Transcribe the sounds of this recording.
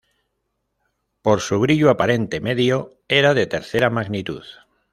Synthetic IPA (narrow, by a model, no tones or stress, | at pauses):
po̞ɾsuβ̞ɾiʎuapaɾe̞nt̪e̞me̞ðjo | eɾaðe̞t̪e̞ɾθeɾamaɣnit̪uð